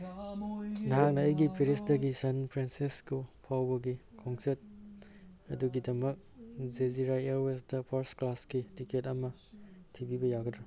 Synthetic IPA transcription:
nɐɦak̚nɐːjɡipʰiɾisdɐɡisɐnpʰɾensiskupʰawbɐɡikʰɔŋset̚ | ɐduɡidɐmɐk̚zeziɾajeɾwesdɐpʰoɾsklasɡitiketɐmɐ | tʰibibɐjaɡɐdɾo

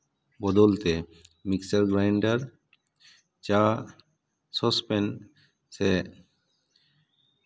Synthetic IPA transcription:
bɔd̪olt̪emiksaɾɡɾajɳɖaɾ | t͡ɕa | sɔspen | se

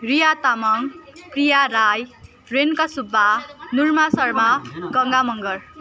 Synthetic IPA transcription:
rijat̪amʌŋkrijaɾaj | renkasubːanurmasʌrmaɡʌŋɡamʌŋɡʌr

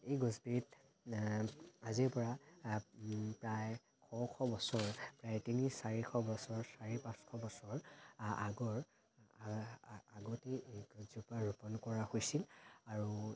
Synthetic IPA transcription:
ejɡɔzbiɹit | aziɹpɔɹa | pɹaj | kʰɔkʰɔbɔsɔɹpɹajtinisːaɹikʰɔbɔsɔɹsaɹipãskʰɔbɔsɔɹaɡɔɹ | aɡoteɡuzupɔaɹupɔnkɔɹahojsilaɹu

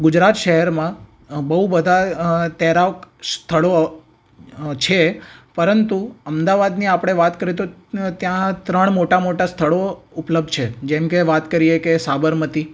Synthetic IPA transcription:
ɡʊd͡ʒɾat̪ʃəɦɛɾmã | bəɦubəd̪ʱat̪ɛɾaʋkst̪ʰəɭo | t͡ʃʰepəɾənt̪uəmd̪aʋad̪niapɽ̃eʋat̪kəɾet̪ot̪jãt̪ɾəɳ̃moʈamoʈast̪ʰəɭoʊpləb̚d̪t͡ʃʰed͡ʒɛmkeʋat̪kəɾijekesabəɾmət̪i

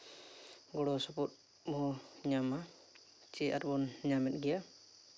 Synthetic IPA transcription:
ɡɔɽɔsɔput̚ | mɔɦɔɲama | t͡ʃiʔa̰ɾbɔnɲamɛt̚ˀɡɛja

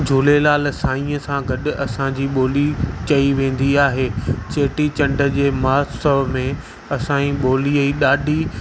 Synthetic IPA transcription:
d͡ʑʱʊlelaːlsaːĩːəsãɡɐɗʊɐsãd͡ʑiːɓoːlit͡ɕɐiʋẽːn̆d̪iaːɦeːt͡ɕeːʈit͡ɕɐ̃ɳɖʱə̆d͡ʑeːmaːsəbmẽ | ɐsãĩɓoːliəiɗaːɖʱi

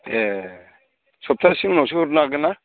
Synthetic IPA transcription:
e | sɔp̚tʰasiŋnɔws̬ɯhuɾnaɡɯna

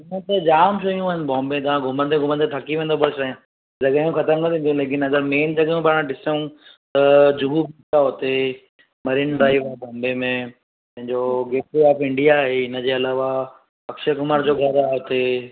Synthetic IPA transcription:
ɪnə̃t̪ed͡ʑaːmʃoijũaːɦɪnbɔ̃ːmbẽt̪̬ɐʋ̤ãɡʱʊmə̃nt̪ẽɡʱʊmənt̪ʰet̪ʰɐkiʋẽːnd̪op̬ɐɽʃaːjã | d͡ʑɐɠjũxɐt̪əmnəɐt̪ʰĩːnd̪jũleːk̬ɪnɐɡəɾmeːnd͡ʑɐɠəjũpaːɽ̃ãɖɪsəũt̪ɐd͡ʑʊɦubitaɦot̪e | mɐɾɪnɖɾaːiʋabɔ̃ːmbemẽ | pɐ̃ɦɪ̃ɲd͡ʑoɡeːʈiaːfɪ̃ɳɖijaɦeɪnə̆d͡ʑeːɐlaːʋa | pɐkʃekʊmaːɾd͡ʑoːɡʱɐɾaɦot̪e

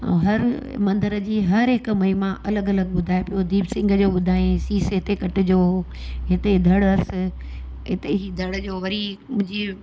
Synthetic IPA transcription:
ɐ̰̃ɦɐɾmɐ̃nd̪ʱəɾəd͡ʑiːɦɐɾɦɪkmɐimãʔɐləɡɐləɡɓʊd̪ʱaːepijod̪iːbsɪ̃ŋɡʱd͡ʑoːɓʊd̪ʱaːẽsiːsɦɪt̪ekɐʈɪd͡ʑoː | ɦɪt̪ed̪ʱɐɽɐs̆ | ɦɪt̪eid̪ʱɐɽd͡ʑoːʋɐɾimʊ̃ɦɪ̃ɲd͡ʑiː

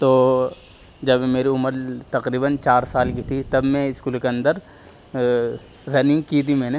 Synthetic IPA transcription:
t̪oː | d͡ʒɐbmeːɾiʊməɾt̪ɐqɾiːbənt͡ʃaːɾsaːlkit̪ʰit̪ɐbmɛ̃ɪskuːlkeɐ̃nd̪əɾ | ɾɐnɪ̃ŋɡkit̪ʰimɛ̃ːne

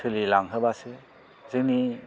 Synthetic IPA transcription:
tʰɯlilaŋɦɯbasɯ | z̥ɯŋni

